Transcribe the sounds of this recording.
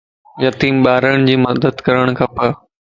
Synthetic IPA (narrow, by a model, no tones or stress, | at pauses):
jɐt̪iːmɓaːɾəɽ̃d͡ʑiːmɐd̪əd̪kɐɾəɽ̃kʰãːpɐ